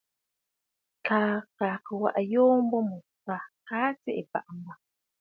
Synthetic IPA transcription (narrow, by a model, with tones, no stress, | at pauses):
kaː˨kaː˨kə˨wa̰˨ʔjoː˦m˦bɔ˦mə˨ | ka˨kaː˦t͡se˦ʔe˨pa̰˨ʔmba˨